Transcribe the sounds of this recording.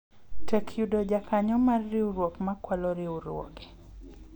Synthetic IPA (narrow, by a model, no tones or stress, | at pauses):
tɛkʰjudɔd͡ʒakʰaɲɔmarːɪuɾwɔkmakwalɔɾɪuɾwɔ̰ɡɛ